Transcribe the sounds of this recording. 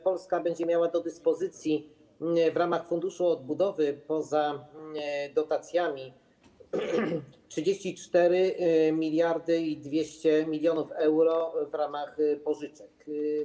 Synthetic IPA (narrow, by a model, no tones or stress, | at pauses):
pɔlskabɛɲd͡ʑɛmʲjawad̪ɔd̪ɘspɔzɘt̪sʲji | vɾamaxfund̪uʂuɔd̪̚bud̪ɔvɘpɔza | d̪ɔt̪at̪sʲjamʲi | tʂɘd͡ʑeɕt͡ɕit͡ʂt̪ɛɾɘmʲilʲjaɾd̪ɘid̪vʲjeɕt͡ɕɛmʲilʲjɔnufɛwɾɔvɾamaxpɔʐɘt͡ʂɛk